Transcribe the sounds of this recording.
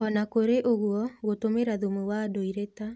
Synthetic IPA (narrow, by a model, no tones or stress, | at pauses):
ɔnakoɾeʔoɣuɔɣotomeɾaðumuwadoiɾeta